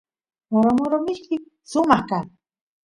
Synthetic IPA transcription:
moɾomoɾomɪʃkɪ | ʃʊmɑχkaŋ

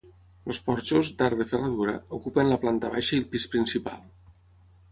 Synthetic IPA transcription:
lospɔɾt͡ʃozd̪aɾðəfərəðuɾə̰ukupənləplant̪əβajʃəilˠpispɾinsipa̰lˠ

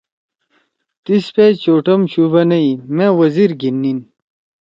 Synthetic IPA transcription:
t̪ispet͡ɕoːʈɐmɕubɐnɐimẽwɐziɾɡinːin

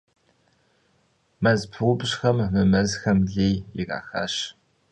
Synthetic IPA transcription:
mɐzpʰɨwbɕxɐmmɨmɐzxɐmɮeːjiɣa̰ːxa̰ːɕ

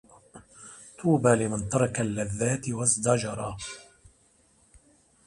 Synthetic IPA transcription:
t̪ʰuːbaːlɪmant̪ɑɾˤɑkalːaðːaːt̪ɪwazd̪ɑd͡ʒɑɾˤɑ

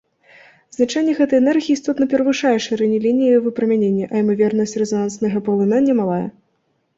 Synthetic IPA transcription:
znat͡ʂanʲːɛɣɛt̪ɐjɛnɛrɣʲiːst̪ɔt̪nɐpʲɛɾɐvɨʂajɛʂɨɾɛnʲilʲinʲijivɨpɾɐmʲanʲenʲːɐʔɐimɐvʲɛrnɐsʲt͡sʲrɛzanansnɐɣɐpɐlˠɨnanʲːɛmalˠajɛ̰

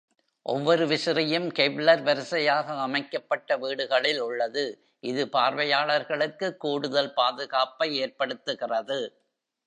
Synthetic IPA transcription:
ʔɔ̰ʋːɔɾɯʋɪsɪɾɐjɯmkɛblɐɾʋɐɾɯsɐjaːɣɐːmɐɪkːɐpːɐʈːɐʋiːɽɯɣɐɭɪlʊɭːɐðɯ | ʔɪðɯpaːɾʋɐjaːɭɐɾɣɐɭɯkːɯkːuːɽɯðɐlpaːðɯɣaːpːɐɪeːɾpɐɽɯt̪ːɯɣɪrɐðɯ

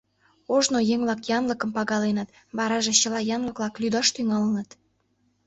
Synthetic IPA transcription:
oʒnojeŋβlɑkjɑnləkə̆mpɑɣɑlenət̪ | βɑɾɑʒet͡ɕəlɑjɑnlə̆klɑklyd̪ɑʃt̪yŋɑlənət̪

